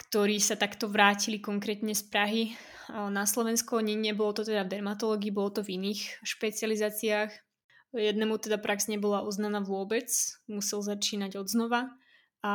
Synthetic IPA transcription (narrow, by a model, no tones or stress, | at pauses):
kt̪ɔɾiːsat̪akt̪ɔʋɾaːcilikɔŋkɾɛːt̪ɲɛspɾaɦi | naslɔʋɛnskɔɲɛɲɛbɔlɔt̪ɔt̪ɛd̪avd̪ɛɾmat̪ɔlɔːɡiːbɔlɔt̪ɔviniːxʃpɛt͡sɪalizaːt͡siaːx | jɛd̪nɛmut̪ɛd̪apɾaɡzɲɛbɔlaʔɔznanaːʋʊɔbɛt͡smusɛlzat͡ʃiːnaɟɔd̪znɔʋa | a